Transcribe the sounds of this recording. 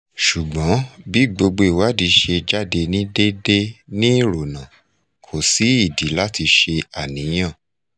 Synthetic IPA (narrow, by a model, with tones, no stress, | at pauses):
ʃu˨ɡ͡bɔ̃˨˦bi˦˨ɡ͡bo˧ɡ͡bo˧i˨wa˦˨di˨˦ʃe˧d͡ʒa˦˨de˧nĩ˦de˦de˦nĩ˦˨ɾo˨nã˨ | kʰo˨si˨˦i˦˨di˨˦la˦ti˧ʃe˧a˨nĩ˨˦j̃ã˦˨